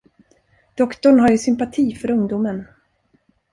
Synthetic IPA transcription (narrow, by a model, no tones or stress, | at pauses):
d̪̥ɔkt̪ɔɳɦaɾjɵsʏmpat̪ʰiːfœɾɵŋd̪uːmən